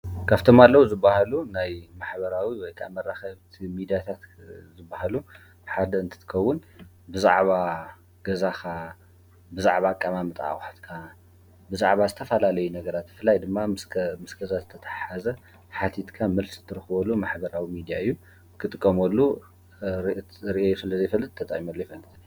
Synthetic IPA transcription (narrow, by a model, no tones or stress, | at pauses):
kʰaβt̪ʰomalːɐwuzɨbahalunajmaħbɐɾawiwɔjkʰa̰mɐrːaxɐβt̪ʰimid̪ijat̪ʰat̪zɨbːaɦalu | ħad̪ɐɨnt̪ʰɨ̥t̪ʰɨ̥kʰɐwːʊn | bɨzaʕβa | ɡ̥ɐzaxa | bɨzaʕβakʼːamamɨt̪ʼʕa̰xʼħt̪kʰa | bɨzaʕβazɨt̪ʰɐfɐlalɐjunɐɡɐɾat̪̚bɨfɨlːajd̪ɨmːaɨsmɨsɡɐzazɨt̪ʰɐt̪ʰḁħazɐ | ħat̪ʰit̪kʰamɨlszɨt̪ʰːɨɾɨxɨβolːumaħbɐɾawimid̪ijaɨjːu | kʰɨt̪ʼɨkʼːɐmɐlːu | ɾʔɾiʔojsɨlɐzejfɐlːɨt̪̚t̪ʰːɐt̪ʼa̰ʔimɐlːojɛfɐlːɨt̪